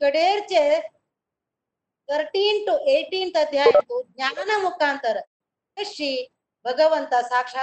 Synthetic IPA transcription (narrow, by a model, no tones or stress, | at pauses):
kɐɽeːɾt͡ʃe | t̪ʰɐɾʈiːnʈuʔeːʈiːnt̪ɐd̪ʱjaːjɐnt̪uɡ̚naːnɐmukaːnt̪ɐɾɐ | eʃi | bʱɐɡɐʋɐnt̪ɐsaːkʂaː